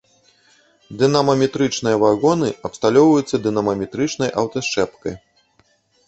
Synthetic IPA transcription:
d̪ɨnamɐmʲɛt̪ɾɨt͡ʂnɨjɐvaɣɔnɨɐpst̪alʲɔwvɐjut̪sːɐd̪ɨnɐmɐmʲɛt̪ɾɨt͡ʂnɐjʔɐwt̪ɐʂt͡ʂɛpkɐj

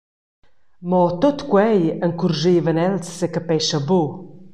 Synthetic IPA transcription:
mɔtʊtɡwɛjənkʰurʒivənɛltsəkəpɛʃabuː

